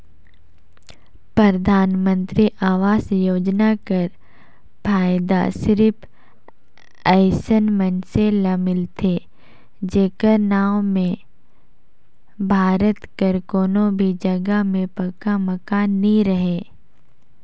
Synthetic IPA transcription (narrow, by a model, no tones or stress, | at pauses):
pɾɐɾd̪ʱaːnmə̃nt̪ɾiʔaːʋaːsjoːd͡ʒnakəɾ | pʰaːɪd̪a̰sɪɾɪpʰ | ɛɪsənmənselamɪlt̪ʰe | d͡ʒeːkəɾnaːwmẽ | bʱaːɾət̪kəɾkoːnõbʱid͡ʒɐɡəɦmẽpɐkaməkaːnːĩɾəɦeː